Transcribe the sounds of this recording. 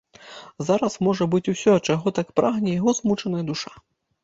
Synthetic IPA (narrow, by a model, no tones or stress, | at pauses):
zaɾɐsmɔʐɐbɨt͡sʲusʲɔt͡ʂaɣɔt̪akpɾaɣnʲɛjaɣɔzmut͡ʂɐnɐjɐd̪uʂa